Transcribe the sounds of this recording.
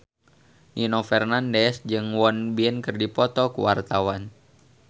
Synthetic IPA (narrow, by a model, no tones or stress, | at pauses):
ʔinɔfɛrnandɛsd͡ʒɨŋwɔnbiɛnkɨrdipɔt̪ɔkṵwart̪awan